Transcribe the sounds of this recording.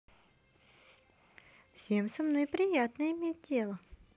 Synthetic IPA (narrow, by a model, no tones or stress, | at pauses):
fsʲemsɐmnojpɾʲɪjat̪nəɪmʲet̚ʲdʲe̞lˠə